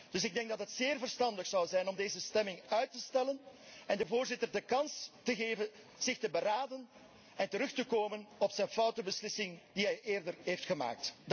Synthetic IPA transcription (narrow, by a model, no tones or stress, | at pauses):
d̥ɵsɪɡ̚dɛŋɡ̚dɑtɦətseːrvərstɑndəxsɑwzɛjnɔmdeːzəstɛmɪŋœɥtəstɛlənɛndəvoːrzɪtərdəkɑnstəɣeːvən | z̥ɪxtəbəɾaːdən | ɛntəɾɵxtəkoːmənɔpsɛjnfɑwtəbəslɪsɪŋd̥iɦɛjʔeːrdərɦeːftxəma̰ːk̚t